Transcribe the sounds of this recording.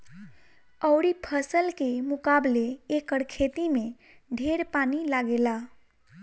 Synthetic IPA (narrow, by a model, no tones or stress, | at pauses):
əʊɾipʰəsəlkemukableekəɽkʰet̪ime | ɖʱeɾpanilaɡela